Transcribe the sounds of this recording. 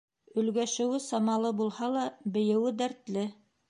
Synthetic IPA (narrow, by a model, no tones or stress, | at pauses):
ɵ̆lɡæʃɘ̆wɘsɑmɑlˠɤbulˠhɑlˠɑbɘ̆jɘ̆wɘd̪æɾt̪lɘ